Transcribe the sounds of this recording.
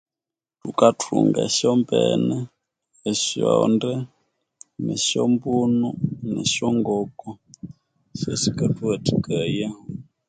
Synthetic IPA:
tukatʰṵŋɡa̰ʃjɔmpɛnɛː | ʃjɔndɛ | nɛʃɔmbununɛʃɔŋɡɔkɔ | ʃɛsikatuɛtikajahɔ

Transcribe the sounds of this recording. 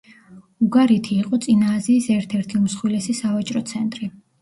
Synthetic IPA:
uɡaɾit̪ʰiːqʼɔt̪sʼinaːziːsɛɾt̪ʰɛɾt̪ʰiumsχwilɛsisavat͡ʃʼɾɔt̪sʰɛnt̪ʼɾi

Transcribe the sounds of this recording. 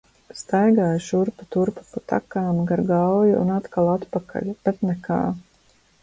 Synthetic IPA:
st̪ajɡaːjʃuɾpat̪uɾpḁpat̪a̰kaːmɡaɾɡawjuṵnat̪kalˠat̪pakʰa̰ʎʲb̥ɛt̪nɛka̰ː

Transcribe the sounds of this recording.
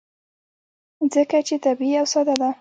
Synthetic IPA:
zəkat͡ʃet̪abiiawsɑd̪ad̪a

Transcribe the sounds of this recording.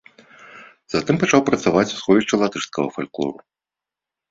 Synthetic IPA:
z̥at̪ɨmpat͡ʂawpɾɐt̪savat͡sʲu̥sxɔvʲiʂt͡ʂɐlˠat̪ɨʂskɐɣɐ̰falʲklˠɔ̰ɾu

